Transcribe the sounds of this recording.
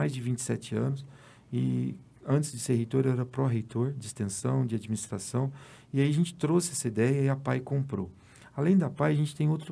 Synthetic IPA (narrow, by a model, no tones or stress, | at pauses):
ajzd͡ʒɪvĩnt͡ʃɪ̥sɛt͡ʃɪɐ̃nʊs | ɪ | ɐ̃t͡ʃɪzd͡ʒɪseɾɦejt̪oɾɛɾɐpɾɔɦejt̪ʰoɾd͡ʒɪst̪ẽsɐ̃w̃d͡ʒɪad͡ʒminist̪ɾasɐ̃w̃ | ɪaiɐʒẽnt͡ʃɪ̥t̪ɾosɪɛsɐid̪ɛjɐiɐpajkõmpɾo̰ | alẽj̃d̪ɐpajɐʒẽnt͡ʃɪ̥t̪ẽj̃owt̪ɾʊ